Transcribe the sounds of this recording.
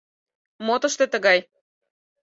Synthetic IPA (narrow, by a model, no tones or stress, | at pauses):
mot̪ə̆ʃt̪et̪ə̆ɣɑj